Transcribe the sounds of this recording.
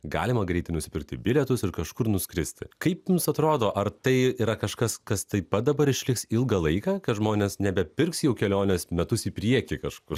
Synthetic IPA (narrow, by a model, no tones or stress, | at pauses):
ɡɑ̰ːlʲɪmɐɡɾʲɛɪt̪ʲɪnʊsʲɪ̥pʲɪɾk̚t̪ʲɪbʲɪlʲɛt̪ʊsɪɾkɐʃkʊɾnʊsʲkɾʲɪsʲt̪ʲɪkɐɪpjʊmsɐt̪ɾoːd̪oːʔɐrt̪ɐɪiːɾɐkɐʃkɐskɐst̪ɐɪpɐt̪̚d̪ɐbɐɾɪʃʲlʲɪksɪlˠɡɐlˠɐɪkɑːkɐt̪ʒmoːnʲeːsnʲɛbʲɛpʲɪrksjɛʊkʲɛlʲoːnʲɛsmʲɛt̪ʊsiːpʲɾʲiɛkʲikɐʃkʊr